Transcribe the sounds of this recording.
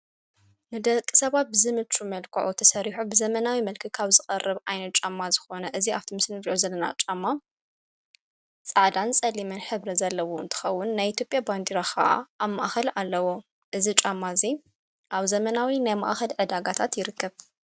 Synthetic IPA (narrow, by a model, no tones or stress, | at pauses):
nɨd̪ɐkʼːɨ̥sɐβat̪̚bɨzɨmɨt͡ʃʼumɐlkʰɐ̰ʕut̪ʰɐsɐɾiħubɨzɐmɐnawimɐlkʰɨkʰaβzɨxʼɐrːɨβajnɐt̪̚t͡ʃʼamːazɨxo̞nɐʔɨziaft̪ʰimɨsnɨɾiʔozɐlːɐna̰t͡ʃʼamːa | t͡sʼaʕd̪ant͡sʼɐlːimɨnħɨβɾɐzɐlːɐwoɨ̰nt̪ʰɨ̥xɐwːʊnːajit̪jo̞pʼjaband̪iɾaxʰɐ̰ʔa̰ːβma̰ʔxɐlalːɐwo̞ | ʔɨzit͡ʃʼamːazi | ʔaβzɐmɐnawinajma̰ʔxɐlʕɨd̪aɡat̪ʰat̪jɪɾɨkʰːɐβ